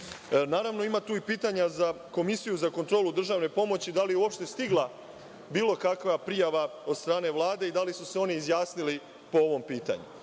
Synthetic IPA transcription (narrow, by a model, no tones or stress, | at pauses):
naːɾaʋno̞imat̪uːipiːt̪aɲaza | ko̞misijuzakont̪ɾo̞ːlud̪r̩ʒaːʋne̞po̞mo̞t͡ɕid̪alijeuo̞pʃt̪e̞st̪iɡlˠa | biːlo̞kakʋapɾijaʋao̞d̪st̪ɾaːne̞ʋlˠaːd̪e̞id̪alisuse̞o̞niːzjaːsnili | po̞o̞ʋo̞mpiːt̪a̰ɲṵ